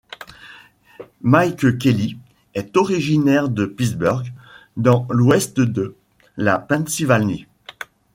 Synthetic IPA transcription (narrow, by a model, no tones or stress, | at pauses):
majkkʲeli | ɛt̪ɔʁiʒinɛʁd̪əpisbœʁɡd̪ɑ̃lwɛst̪d̪ə | la̰pɛ̃sivalni